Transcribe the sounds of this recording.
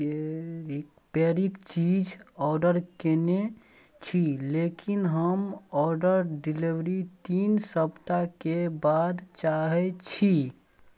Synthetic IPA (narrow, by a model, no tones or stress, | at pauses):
peɾikt͡ʃid͡ʒɔːɾɖəɾkene | t͡ʃʰilekinɦəmɔːɾɖəɾɖiliʋɾit̪iːnsəbt̪akebaːd̪t͡ʃaɦet͡ʃʰi